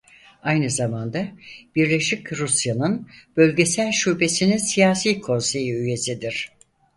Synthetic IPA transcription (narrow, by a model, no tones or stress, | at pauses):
ajnɯzamand̪ab̥iɾlʲe̞ʃicɾusjanɯnb̥ø̞lʲɟe̞sælʲʃube̞sininsijaːsiːkʰo̞nse̞jiyje̞sid̪iɾ̥